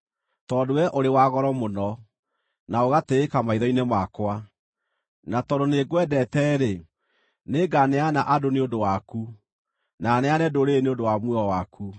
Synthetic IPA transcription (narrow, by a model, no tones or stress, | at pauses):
tɔːdowɛʔoɾewaɣɔɾɔmonɔ | naoɣateːkamaiðɔinemakwa | natɔdoneɡwɛdɛtɛːɾe | neɡanɛanaʔadoneondowaku | nanɛanɛdoɾeneondowamweɔwakʰu